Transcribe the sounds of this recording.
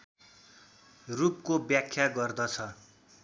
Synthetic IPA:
rup̚kobjakʰːjaɡʌrd̪ʌt͡sʰʌ

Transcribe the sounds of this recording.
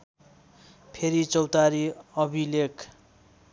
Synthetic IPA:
pʰeɾit͡sʌwt̪aɾiʌbʱilek

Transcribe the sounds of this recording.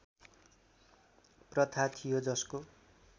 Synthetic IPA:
prʌt̪ʰat̪ʰijod͡zʌsko

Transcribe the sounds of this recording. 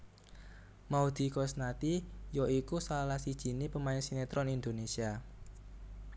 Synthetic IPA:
maud̪̥i̤kosnat̪ijɔʔikusalahsid̥ʒ̥i̤nipəmaɪnsinet̪ɾɔnind̪onesia

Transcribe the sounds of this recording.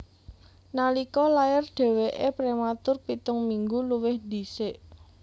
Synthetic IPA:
nalikɔlajɪrɖ̥ɛ̤weʔepɾemat̪ʊrpit̪ʊŋmiŋɡuluwɪhd̪̥iseʔ

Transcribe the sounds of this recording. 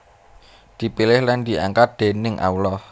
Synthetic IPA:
d̪̥i̤pilɪhland̪̥i̤a̰ŋkat̪̚d̪̥e̤nɪŋʔa̰ulɔh

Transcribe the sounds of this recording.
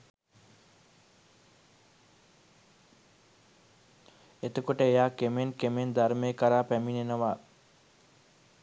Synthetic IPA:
et̪əkoʈəejaːkemenkemend̪aɾmejkəɾaːpæminenəʋaː

